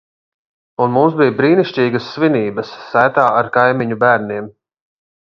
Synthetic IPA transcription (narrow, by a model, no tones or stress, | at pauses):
unmumsbijbɾiːniʃt͡ʃiːɡəsːviniːbəsːæːt̪aːaɾkajmiɲubæːɾniɛm